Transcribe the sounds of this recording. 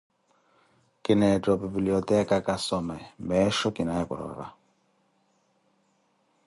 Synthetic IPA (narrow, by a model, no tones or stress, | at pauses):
kɪnɛtɔbibiliɔtɛkakʼasɔmɛmbɛʃɔkʼɪnaɛkɔ̰ɾɔ̰ɾa̰